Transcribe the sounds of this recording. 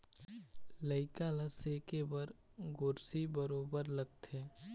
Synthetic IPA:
ləɪkaləsekebəɾ | ɡʊɾsibəɾoːbəɾləɡt̪eː

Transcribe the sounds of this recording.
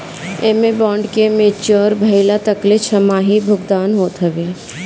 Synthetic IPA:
emebɔːɳɖkemet͡ʃɔːɾbʱɐɪlat̪əklet͡ʃʰəmaːɦibʱʊɡd̪aːnɦoːt̪ɦɐʋeː

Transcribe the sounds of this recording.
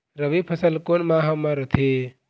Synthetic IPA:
ɾəbipʰɐsəlkonmaːɦɐmaɾət̪ʰe

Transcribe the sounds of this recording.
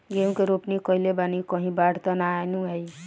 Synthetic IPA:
ɡeːmkeɾoːpnikɔilebanikɔ̃ɦĩbaːɽt̪ɔnaːenũɦɛi

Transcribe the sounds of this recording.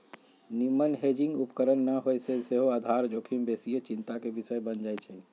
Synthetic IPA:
nimːənɦed͡ʒĩŋɡupkəɾənːəɦojseseɦoad̪ʱaɾd͡ʒokʰimbesijət͡ʃint̪akebisəjbənd͡ʒajt͡ʃʰɛ

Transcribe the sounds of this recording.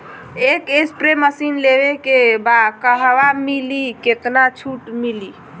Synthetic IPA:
ekespɾeməsinleβekebakəɦʋamiliket̪nat͡ʃʰuʈmili

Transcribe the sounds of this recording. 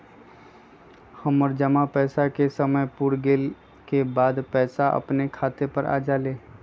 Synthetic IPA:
həmɔːɾd͡ʒəmapɛːsakesəməjpuːɾɡeːl | kebaːd̪pɛːsaʔɐ̰pnekʰaːt̪epəɾʔa̰ːd͡ʒaːleː

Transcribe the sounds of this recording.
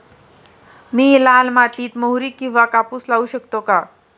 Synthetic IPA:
miːlalmat̪iːt̪məɦɾiːkːĩw̃ʋakapuːslauɕəkt̪oka

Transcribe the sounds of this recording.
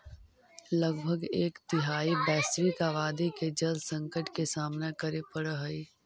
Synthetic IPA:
ləɡbʱəɡeːkt̪ɪɦaːibɛːsʋikaːʋaːd̪iked͡ʒɐlsə̃ŋkəʈkesaːmnekəɾepəɽɦəi

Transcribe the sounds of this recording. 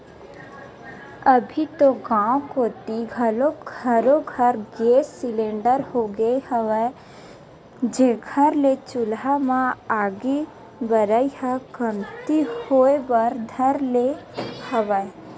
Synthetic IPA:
əbʱit̪oɡãːwkoːt̪iɡʱəloɡʱəɾoɡʱəɾɡeːsːɪlẽːɳɖəɾhoɡəehəʋɛ | d͡ʒeɡʱəɾlet͡ʃʊlɦamãaːɡe | bəɾəihəɡəmt̪ihoːebəɾd̪ʱəɾlehəʋə

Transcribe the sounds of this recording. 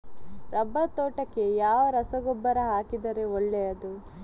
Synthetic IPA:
ɾʔɐbːɐt̪oːʈɐkːe̞jaːʋɐɾɐsɐɡobːɐɾɐɦaːkid̪ɐɾe̞ɔɭːejɐd̪u

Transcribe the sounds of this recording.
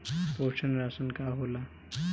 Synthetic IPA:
pot͡ʃʰənɾasənkaɦola

